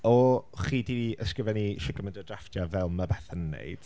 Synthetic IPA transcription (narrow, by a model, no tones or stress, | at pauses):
ɔχiːdiəskrɪvɛniʃɪɡəmɛndɔdraftʰjavɛlˠmabɛθənnːḛɨd̥